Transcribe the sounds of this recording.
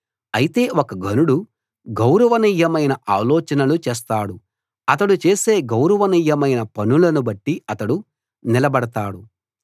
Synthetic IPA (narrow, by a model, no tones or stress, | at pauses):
ɐjit̪e̞ːokɐɡʱɐnuɽu | ɡɐwɾɐʋɐniːjːɐmɐjnɐʔaːlɔːt͡ʃɐnɐlut͡ʃeːs̬t̪aːɽu | ɐt̪̬ɐɽut͡ʃe̞ːse̞ːɡɐwɾɐʋɐniːjːɐmɐjnɐpɐnulɐnubɐʈːiɐt̪ɐɽu | nilɐbɐɽɐt̪aːɽu